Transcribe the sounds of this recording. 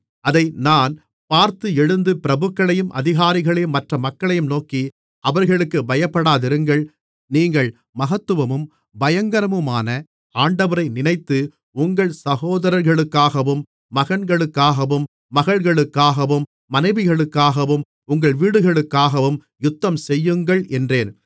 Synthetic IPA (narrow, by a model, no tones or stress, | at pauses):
ɐðɐɪnaːn | paːɾt̪ɯɛɻɯnd̪ɯpɪɾɐbɯkːɐɭɐjɯmʔɐ̰ðɪɣaːɾɪɣɐɭɐjɯmːɐʈrɐmɐkːɐɭɐjɯmnoːki | ɐʋɐɾɣɐɭɯkːɯbɐjɐpːɐɽaːðɪɾɯŋɡɐɭ | niːŋɡɐɭ | mɐɣɐt̪ːɯʋɐmɯm | bɐjɐŋɡɐɾɐmɯmaːnɐ | aːɳɖɐʋɐɾɐɪnɪnɐɪt̪ːɯ | ʊŋɡɐɭsɐɣoːðɐɾɐɾɣɐɭɯkːaːɣɐʋɯmː | ɐɣɐnɡɐɭɯkːaːɣɐʋɯmː | ɐɣɐɭɣɐɭɯkːaːɣɐʋɯmːɐnɐɪʋɪɣɐɭɯkːaːɣɐʋɯm | ʊŋɡɐɭʋiːɽɯɣɐɭɯkːaːɣɐʋɯm | jʊt̪ːɐmsɛjːɯŋɡɐɭʔɛndreːn